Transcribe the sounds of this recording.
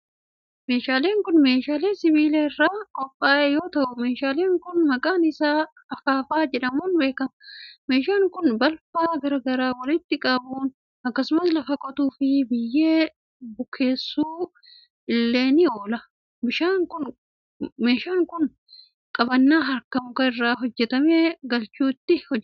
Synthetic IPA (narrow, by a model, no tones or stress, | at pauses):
me̞ːʃaːle̞ːŋkʊnme̞ːʃaːleːsɪβiːleːɪrːaːkʼɔpʼːaːʔɛjo̞ːt̪ɐʔʊme̞ːʃaːleːŋkʊnmɐkʼaːnɪsaː | ɐfaːfaːd͡ʒɛᶑɐmuːnbe̞ːkɐmɐme̞ːʃaːŋkʊnbɐlfaːɡɐɾɐɡɐɾaːwɔlɪt̪ːɪkʼɐbuːn | ɐkːɐsʊmɐslɐfɐkʼɔt̪uːfɪbɪjːe̞ː | bʊkʰːe̞ːsːuː | ʔɪlːe̞ːnɪoːlɐ | bɪʃaːŋkʊn | meːʃaːŋkʊn | kʼɐbɐnːaːɦɐɾkɐmʊkɐɪrːaːɦɔd͡ʒːɛt̪ɐmeːɡɐlt͡ʃːuːɪt̪ːɪhɔ